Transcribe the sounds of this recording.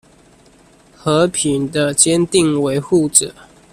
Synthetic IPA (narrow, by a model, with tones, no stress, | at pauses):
xɤ˨˦pʰi˨˦nd̪ə˧t͡ɕjɛ˦nt̪i˥˨ŋwe˧˦ɪxu˥˨ʈ͡ʂə̰˨˩˦